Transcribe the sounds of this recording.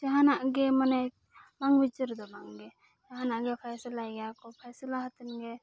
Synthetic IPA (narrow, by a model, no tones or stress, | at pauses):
d͡ʒaɦanaʔɡɛmanɛ | baŋbit͡ʃəɾd̪ɔbaŋɡɛ | d͡ʒaɦanaʔɡɛpʰajsilajɡaakɔpʰajsilaɦat̪ənɡɛ